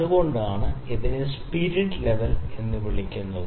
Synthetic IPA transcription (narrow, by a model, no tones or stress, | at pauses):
uɣo̞ɳɖaːɳɨeðinespiːɾiɖleʋɐle̞nːɨʋiɭikʲːunːɐðɨ